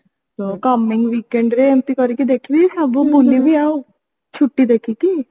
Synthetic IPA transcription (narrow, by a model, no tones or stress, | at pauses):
t̪okɐmːɪ̃ŋɡʋikeɳɖɾeemp̪ikɔɾikid̪eːkʰibisabubulibʱia | t͡ʃʰʊʈːid̪eːkʰiki